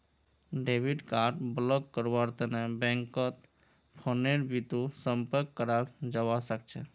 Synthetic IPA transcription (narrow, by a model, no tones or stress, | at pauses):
ɖebiʈkaɾɖblɔkkəɾbaɾt̪ənɛbɛ̃ŋkət̪ | pʰoneɾbit̪usəmpəɾkːəɾad͡ʒəwasək̚t͡ʃʰɛ